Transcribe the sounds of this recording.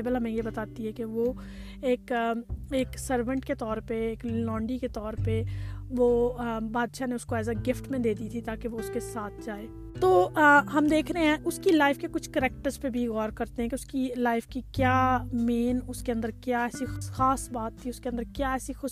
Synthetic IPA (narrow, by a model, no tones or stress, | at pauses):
ɪbəlɦɐmẽjebɐt̪aːt̪iɦɛkeʋo | eːkeːksəɾʋə̃ɳʈket̪ɔːɾpeeːklɔ̃ːɳɖiket̪ɔːɾpeʋoːbaːd̪ʃaneʊskoɛːzaɡɪfʈmẽd̪eːd̪it̪ʰit̪aːkeʋoʊskesaːt̪ʰd͡ʒaːeː | t̪oːɦɐmd̪eːkʰɾeɦeɦɛ̃ʔʊskilaːɪfkekʊt͡ʃʰkɐɾɛːk̚ʈəɾzpebʱiɣɔːɾkɐɾt̪ẽɦɛ̃keʊskilaːɪfkikjaːmeːnʊskeɐ̃nd̪əɾkjaːɛːsixaːsbaːt̪ːʰiʊskeɐ̃nd̪əɾkjaːɛːsixʊʃ